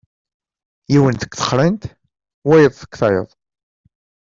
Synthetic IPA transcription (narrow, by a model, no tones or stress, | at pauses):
jiwənθə̥kːθə̥χɾənt̪ | wæjəðˤθə̥kːθɑjə̰ðˤ